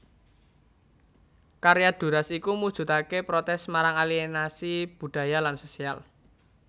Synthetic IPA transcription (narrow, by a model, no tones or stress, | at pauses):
kaɾejad̪̥ṳɾasikumud̥ʒ̥ṳt̪akepɾot̪ɛsmaɾaŋalienasib̥ṳd̪̥a̤jalansosial